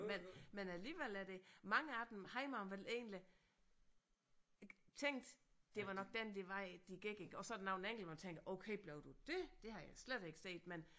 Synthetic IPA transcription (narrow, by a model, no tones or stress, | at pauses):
menmenæliːʋel̰æɾ̥e̝mɑ̈ŋəɑd̥n̩hɑ̈ɪimɑ̈mʋele̝ːnli | t͡sʰeŋ̰d̥d̥e̝ʋɑ̈nɒ̽ɡ̥d̥end̥e̝ʋɑ̈ɪd̥iɡ̥eɡ̥e̝ɡ̥ɒ̽sɒdenɑ̈ʊneŋ̰ɡl̩ʋɑmænt͡sʰeŋ̰ɡ̥ʔoʊkʰeɪb̥leʊd̥ud̥e̝d̥e̝ɦɑ̈jɑɪsled̥e̝ɡ̥ə̥se̝̰ːd̥men